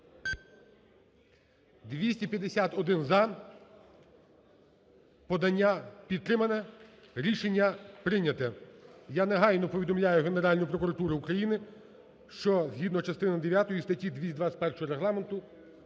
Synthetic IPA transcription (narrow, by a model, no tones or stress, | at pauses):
d̪ʋʲisʲtʲipʲjɐd̪esʲat̪ɔd̪ɪnzɐ | pɔd̪ɐnʲːapʲit̪̚t̪ːɾɪmɐnɛ | ɾʲiʃenʲːɐpɾɪnʲɐt̪ɛjaneɦɑjnɔpɔʋʲid̪ɔmlʲajʊɦeneɾɑlʲnʊjpɾɔkʊɾɐt̪uɾɪukɾɐjinɪ | ʃt͡ʃɔzɦʲid̪nɔt͡ʃɐst̪ɪnɐd̪eʋʲjat̪ɔjist̪ɐtʲid̪ʲʋʲisʲd̪ʋɑsʲpɛrʃɔɦɔɾeɦlˠɑment̪ʊ